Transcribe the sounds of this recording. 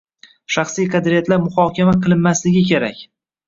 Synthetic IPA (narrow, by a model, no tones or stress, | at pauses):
ʃaχsijqʰɑd̪ɾijat̪laɾmʊhɒkʲʰamaqʰɨlˠɪnːaslɪɡʲɪkʲe̞ɾa̰kʲ